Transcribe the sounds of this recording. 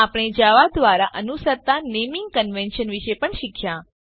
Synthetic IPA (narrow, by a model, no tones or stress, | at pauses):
apɽ̃ed͡ʒaʋad̪ʋaɾaʔənusəɾt̪anemĩŋɡ̚kənʋɛnʃənʋiʃepəɳʃikʰjã